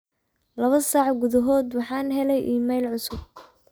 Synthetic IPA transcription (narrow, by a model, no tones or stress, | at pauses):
lɐβɐsɑːʕɡʊðɐɦɔːd̪wɑħɑːnɦɛlɛjʔiːmɛjlʕʊsʊb̚